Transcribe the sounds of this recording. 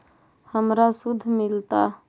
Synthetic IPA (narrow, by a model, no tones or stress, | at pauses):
həmɾasud̪ʱːmilt̪a